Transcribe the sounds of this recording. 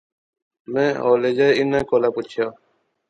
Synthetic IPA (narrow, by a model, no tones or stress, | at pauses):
mẽːo̰ːleːd͡ʒaːjɪnaːkoːlaːput͡ʃʰjaː